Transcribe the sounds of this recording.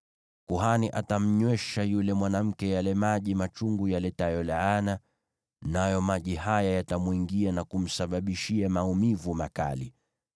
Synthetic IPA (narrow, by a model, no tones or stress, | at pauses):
kuɦaniʔatam̩ɲwɛʃajulɛmwanam̩kɛjalɛmaʄimat͡ʃuŋɡujalɛtajɔlaana | najɔmaʄihajajatamwiŋɡianakum̩saɓaɓiʃiamaumivumaka̰li